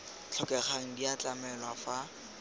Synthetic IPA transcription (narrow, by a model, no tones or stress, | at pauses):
t͡ɬʰɔkɛχaŋ̩diat͡ɬamɛlwafa